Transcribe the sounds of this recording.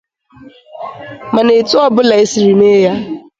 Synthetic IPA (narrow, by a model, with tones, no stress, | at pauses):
ma˨ne˨tʊ˦ɔ˦bʊ˦la˨e˦si˨ɾi˨ne˦ja˦